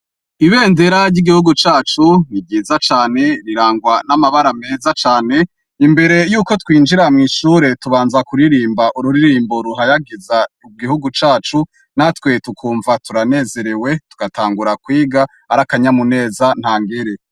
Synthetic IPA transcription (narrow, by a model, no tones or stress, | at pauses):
iβe̞ːnde̞ɾaɾɟiɡihuɡut͡ʃaːt͡ʃunib̚ɟiːzat͡ʃaːne̞ɾiɾaːŋɡwanamaβaɾame̞ːzat͡ʃaːne̞ | imbe̞ɾe̞juːko̞twiːnd͡ʒiɾamŋiːʃuɾe̞tuβaːnzakuɾiɾiːmbaʔuɾuɾiɾiːmbo̞ɾuɦajaɡiza | ub̚ɡihuɡut͡ʃaːt͡ʃu | natwe̞tukʰuːɱvatuɾane̞ːze̞ɾe̞we̞tu̥ɡ̥ataːŋɡuɾakwiːɡaːɾakaɲamune̞ːzan̥haːŋɡeɾe̞